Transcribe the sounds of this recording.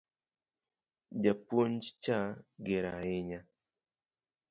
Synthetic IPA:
d͡ʒapwoɲd͡ʒt͡ʃaɡeɾaɪɲa

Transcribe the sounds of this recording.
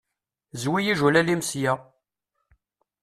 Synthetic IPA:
zwijiʒulælimsjæ

